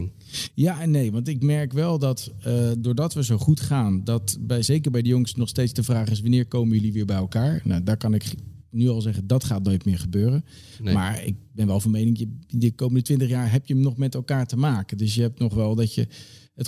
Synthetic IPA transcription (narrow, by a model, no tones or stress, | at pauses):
jaːnejʋɑntɪkmɛɹkʋɛlˠdɑtdʊːɹdɑtʋəzowχutχaːndɑtbɛzejkəɹbɛjdəjʊŋsnɔχstejtzdəvraːχɪs̬ʋanɪːɹkowmənjɵliʋɪːɹbɛjɛlˠkaːɹna̰wdaːɹkɑnɪknyɑlˠzɛχəndɑtχaːtnojtmɪːɹχəbøːrən | ma̰ːɹɪ̰k̚bɛnʋɛlˠvɑnmejnɪŋjədəkowməndətʋɪntəχjaːɦɛpjənɔχmɛtɛlˠkaːɹtəmaːkəndɵs̬jəɦɛp̚tnɔχʋɛlˠdɑtə̰ | ət